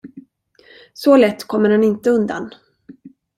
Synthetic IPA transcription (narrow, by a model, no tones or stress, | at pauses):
sɔlɛt̪ːkʰɔmːəɾhanɪnt̪əɵnd̪a̰n